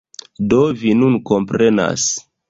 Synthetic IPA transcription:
dovinunko̞mpɾe̞na̰s

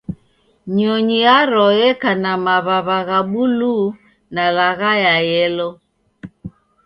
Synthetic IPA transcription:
ɲɔɲiaɾɔjɛkanamaβaβaɣaɓulu | nalaɣajajɛlɔ

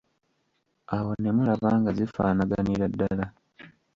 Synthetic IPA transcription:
awo̞ne̞mulaβaːŋɡazifaːnaɡaniɾadːala

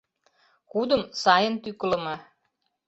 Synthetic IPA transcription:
kud̪ə̆msɑjənt̪yklə̆mɤ

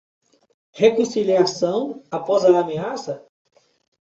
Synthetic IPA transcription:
hekõsiliasɐ̃w̃apɔzaːmeasɐ

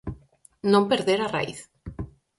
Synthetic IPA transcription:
nõmpeɾðeɾara̰ḭθ

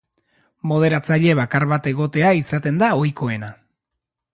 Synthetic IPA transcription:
mo̞ð̞e̞ɾat͡saʎe̞β̞akaɾβat̪e̞ɣ̞o̞t̪e̞aisat̪e̞nd̪ao̞jko̞e̞na

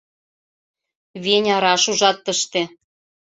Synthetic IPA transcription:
βenʲɑɾɑʃuʒɑt̪ːəʃt̪ĕ

